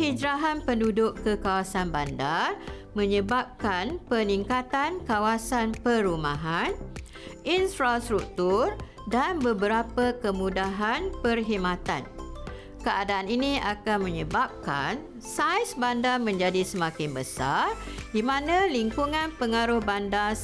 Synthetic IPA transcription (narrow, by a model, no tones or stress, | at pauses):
hid͡ʒɾaɦanpəndudʊʔkəkawasanbandar | mə̃ɲə̃bap̚kanpəniŋkat̪ankawasanpəɾumãɦan | ʔinfɾast̪ɾuk̚t̪ʊr | danbəbəɾapəkəmũdaɦanpərɦimãt̪a̰n | kəʔadaːninĩʔakanmə̃ɲəbap̚ka̰n | sajsbandarmə̃ɲd͡ʒadisəmãkɪnbəsa̰rdimãnãliŋkuŋãnpəŋaɾʊhbanda